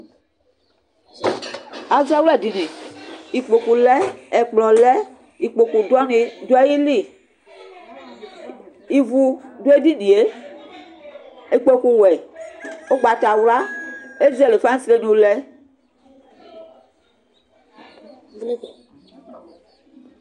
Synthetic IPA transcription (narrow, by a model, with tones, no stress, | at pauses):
a˨za˦wlɛ˦˨di˨nĩ˨i˨k͡po˨ku˨lɛ˦ɛ˨k͡plɔ˨lɛ˦ | i˨k͡po˨ku˨dɔ˦nĩ˨do˦ɛ˦ji˦li˦˨ | i˨vu˨do˦e˦di˦nĩ˨e˦ | e˨k͡po˦ku˨wɛ˨ | o˦ɡ͡ba˨ta˨wla˦e˦zɛ˦˨le˨fa˦n˦sɾe˦nĩ˨o˨lɛ˦